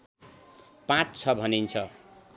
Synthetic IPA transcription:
pãt͡st͡sʰʌbʱʌnint͡sʰʌ

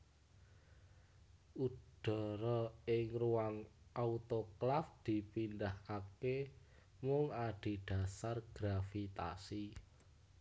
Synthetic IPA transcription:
ud̪̥ɔ̤ɾɔɪŋruaŋʔaut̪oklafd̪̥i̤pindahkake | mʊŋaɖ̥i̤ɖ̥ä̤sarɡ̥ɾafit̪a̰si

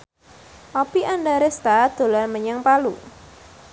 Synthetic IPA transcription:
ʔɔpiʔanɖaɾest̪ad̪̥o̤larməɲaŋpalu

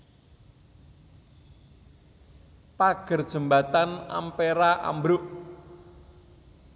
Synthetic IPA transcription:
paɡ̥ə̤rd̥ʒ̥ə̤mbat̪ana̰mpeɾaʔa̰mbɾʊʔ

